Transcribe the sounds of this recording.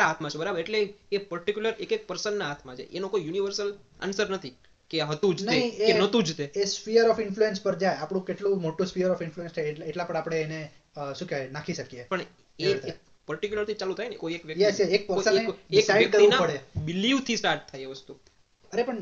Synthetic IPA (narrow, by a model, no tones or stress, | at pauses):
aɦat̪ʰmãt͡ʃʰebəɾabəɾeʈleːpəɾʈikjuləɾekek̚pəɾsənːaɦat̪ʰmãt͡ʃʰḛʔenokoijuniʋəɾsəla̰nsəɾnət̪ʰi | keaɦət̪ũd͡ʒneĩeenət̪ũd͡ʒt̪eesfijəɾɔfɪnfluenspəɾd͡ʒajapɽ̃ũkeʈlũmoʈũsfiəɾɔfɪnfluenst͡ʃajeʈlãpəɳ̃apɽ̃eːne | ʃũkjanakʰiʃəkiepəɳ | e | pəɾʈikjuləɾt̪ʰit͡ʃalut̪ʰajnekoiekʋjəkjɛsjɛek̚pəsəeeksaiʋjəɖkəɾĩnaəɽebɪliʋt̪ʰisʈaɾʈt̪ʰːajeʋəst̪u | əɾepəɳ